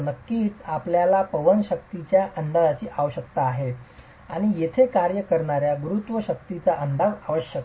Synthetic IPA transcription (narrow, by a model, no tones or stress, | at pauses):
nəkːiːt͡sapljalapəʋənɕək̚t̪it͡ɕjaʔəɳd̪aɭat͡ɕiːʔaʋɕək̚t̪aːɦe | aɽ̃ijet̪ʰekaɾjəkəɾɳaɾjaɡuɾut̪ʋəɕək̚t̪it͡saʔəɳd̪aʋaʋəɕjək